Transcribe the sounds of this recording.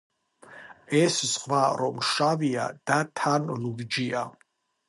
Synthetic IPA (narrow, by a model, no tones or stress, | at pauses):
ɛszqʼvaɾɔmʃavia̰d̪̥at̪ʰanluɡd͡ʒia